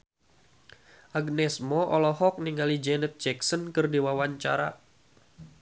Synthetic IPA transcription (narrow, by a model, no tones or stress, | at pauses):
ʔaɡnɛsmɔʔɔlɔɦɔk̚niŋɡalid͡ʒɛnət̪̚d͡ʒɛksənkɨrdiwawaɲt͡ʃa̰ɾa̰